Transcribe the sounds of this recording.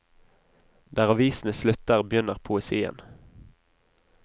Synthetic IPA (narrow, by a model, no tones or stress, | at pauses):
d̪æːʁɑʋiːsn̩əslʉt̪əʁbjʏnəʁpʰʊɛsiːə̰n